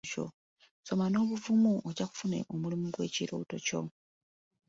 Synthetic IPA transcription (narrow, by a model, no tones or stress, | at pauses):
co̞̰ | so̞mano̞ːβuvumuʔoɟaku̥funḛʔomulimuɡwe̞ːciɾo̰ːto̞co̞̰